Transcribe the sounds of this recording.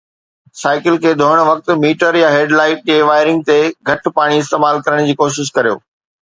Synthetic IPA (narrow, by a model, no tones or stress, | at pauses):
saːɪkɪlkʰeːd̪ʱoːəɽ̃ʋɐk̚t̪̆miːʈəɾjaɦeːɖlaːɪʈ̚ɗeːʋaːɪɾɪ̃ŋɡ̚t̪eɡʱɐʈ̆paːɽ̃iɪst̪eːmaːlkɐɾəɽ̃d͡ʑiːkoːʃɪʃ̬kɐɾijo̰ː